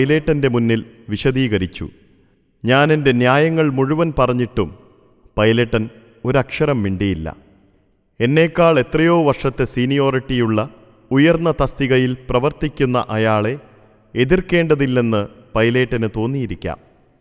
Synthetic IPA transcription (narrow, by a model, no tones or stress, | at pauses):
jle̞ːʈːɐnde̞munːilʋiɕɐðiːɣɐɾit͡ɕːṵ | ɲaːne̞nde̞njaːjɐŋːɐɭmuɻuʋɐnpɐrɐɲːiʈːum | pɐjleʈːɐn | o̞ɾɐkʂɐɾɐmʋiɳɖijilːɐ̰ | e̞nːe̞ːkːaːɭe̞t̪rɐjo̞ːʋɐrʂɐt̪ːe̞siːnijo̞ːriʈːijuɭːɐ | ujɐrnːɐt̪ɐst̪iɣɐjilprɐʋɐrt̪ikʲːunːɐʔɐjaːɭe̞ | eðirke̞ːɳɖɐðilːe̞nːɨpɐjle̞ːʈːɐnɨt̪o̞ːnːijiɾikʲːa̰ːm